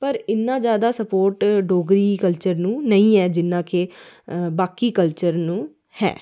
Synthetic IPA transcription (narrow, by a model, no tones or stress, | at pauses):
pəɾɪnːãːd͡ʒjaːd̪aːsəpoːɾʈɖoːɡɾiːkəlt͡ʃəɾnũːnəĩːɦɛːd͡ʒɪnːãːke | baːkiːkəlt͡ʃəɾnũː | hɛ̰ː